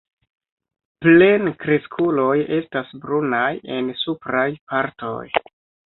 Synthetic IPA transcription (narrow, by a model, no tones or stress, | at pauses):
ple̞nkɾeskʰulo̞je̞stasbɾunaje̞nsupɾajpaɾto̰j